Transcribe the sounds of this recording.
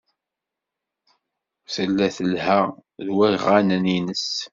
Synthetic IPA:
θəlːæθəlhæðwæjʁanæninəs

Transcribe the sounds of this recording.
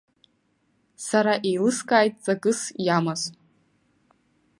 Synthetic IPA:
saɾaʔejlɨskʼaːjtʼt͡sʼaɡʼɨsjamaz

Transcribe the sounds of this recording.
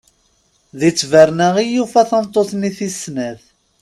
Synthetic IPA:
ðit͡sːvəɾnæʁijufæθɑnt̪ˤːoθniθisnæθ

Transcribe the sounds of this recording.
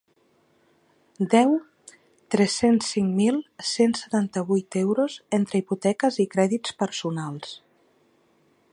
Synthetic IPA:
d̪ɛw | t̪ɾɛsensːiŋmilˠsensət̪ant̪əβ̞ujt̪ewɾozent̪ɾəiput̪ɛkəzikɾɛðit͡sspəɾsunalˠs

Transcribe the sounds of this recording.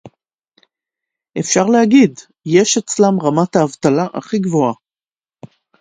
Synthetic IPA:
ʔe̞fʃaʁlehaɡid | jeʃet͡slamʁamat̪aːvt̪alaʔaχiɡvo̞a

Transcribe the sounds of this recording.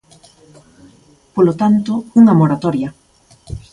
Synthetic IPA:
polot̪ant̪ouŋamoɾat̪ɔɾjɐ

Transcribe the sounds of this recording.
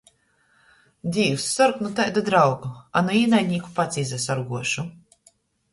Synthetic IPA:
d̪d̪ʲiːwsːɔɾknut̪ajd̪ad̪ɾawɡua̰naiːnajɲʲiːku̥pat̪sʲiːzɛsaɾɡuɔʃu

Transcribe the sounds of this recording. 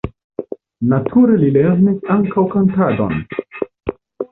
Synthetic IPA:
natʰuɾelileɾnisaŋkawkantado̰n

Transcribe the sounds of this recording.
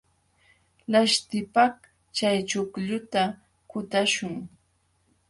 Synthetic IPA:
laʃt̪ɪpaχ | t͡ʃajt͡ʃʊkʎʊt̪a | kʊt̪aʃʊŋ

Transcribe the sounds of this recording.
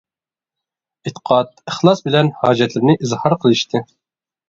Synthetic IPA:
ɪt̪ːə̥qʰɑt̪̚əχlˠɑsbɪlɛnhɑːd͡ʒɛt̪lɪɾnɪʔizhɑɾqʰəlˠɨʃt̪ʰɨ

